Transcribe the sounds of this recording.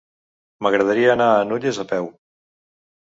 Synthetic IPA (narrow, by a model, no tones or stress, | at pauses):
məɣɾəðəɾiəːnaːnuʎezəpɛw